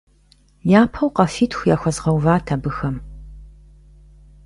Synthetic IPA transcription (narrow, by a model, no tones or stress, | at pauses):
jaːpʰɐwqɐfiːtʰxʷjaːxʷɐzʁɐwvaːtʰabɨxɐm